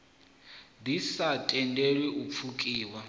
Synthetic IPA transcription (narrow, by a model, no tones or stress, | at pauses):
disatʼɛndɛɺwɛʔup̪fʰukʼiːwa